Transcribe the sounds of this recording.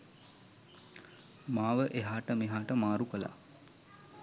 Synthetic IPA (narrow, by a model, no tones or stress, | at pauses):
maːʋəʔeɦaːʈəmiɦaːʈəmaːɾukəla̰